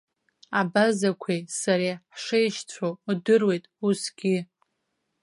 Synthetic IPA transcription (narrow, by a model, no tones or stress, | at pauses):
abazakʷʰejsaɾeħʂejʃt͡sʷʰodɨrwe̞jtʼusɡʲɪ